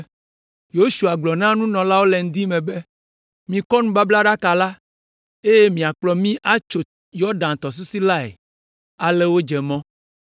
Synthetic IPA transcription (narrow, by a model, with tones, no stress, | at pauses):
jo˦ʃu˨a˨ɡ͡blɔ˨nã˦nũ˦nɔ̃˨la˦wo˦lɛ˨ŋ̩˦d̪i˦mẽ˨be˦ | mĩ˨kɔ˦nũ˦ba˦bla˦ɖa˦ka˨la˦ | e˦je˦mĩ˨a˨k͡plɔ˨mĩ˦ʔa˦t͡ʃo˨ | jɔ˦ɖã˨n˨t̪ɔ˨s̬u˦si˦la˦ḛ˨ | a˨lɛ˦wo˦d͡ʒɛ˨mɔ̃˦